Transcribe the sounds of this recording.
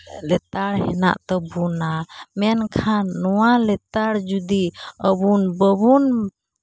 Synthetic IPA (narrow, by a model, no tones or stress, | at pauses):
lɛt̪aɽhɛna̰ʔt̪ɔbunamɛnkʰanːɔwalɛt̪aɽd͡ʒud̪iəbunbəbun